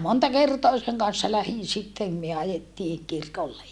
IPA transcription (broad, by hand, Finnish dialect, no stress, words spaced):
montɑ kertoɑ seŋ kɑn̞sːɑ læhin sitːem myø ɑjetːiː kirkolːej